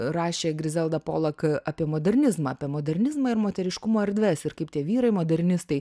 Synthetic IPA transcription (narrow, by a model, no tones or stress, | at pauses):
rɑːʃʲeːɡʲɾʲɪzʲɛlˠd̪ɐpo̰ːlˠɐkɑːpʲiɛmoːd̪ʲɛɾʲnʲɪzmɐɐpʲiɛmoːd̪ʲɛɾʲnʲɪzmɐɪrmoːt̪ʲɛɾʲɪʃkʊmoːɛɾʲd̪ʲʋʲɛːsɪɾkɐɪpt̪ʲiɛʋʲiːɾɐɪmoːd̪ʲɛɾʲnʲɪst̪ɐɪ